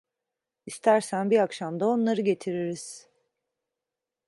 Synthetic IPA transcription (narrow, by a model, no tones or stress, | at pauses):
ist̪ʰæɾsænbiɾakʃamd̪ao̞nlˠaɾɯɟe̞t̪ʰiɾiɾiz̥